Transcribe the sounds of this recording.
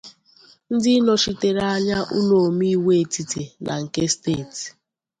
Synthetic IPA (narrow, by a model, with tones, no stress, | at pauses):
n̩˦dɪ˦nɔ˨ʃi˦te˨ɾa˨a˦ɲa˦ʔṵ˦no˨mi˦i˦we˦˨ti˨te˨nʔa̰˨ŋ̩˨ke˦stḛ˦˨ti̥˨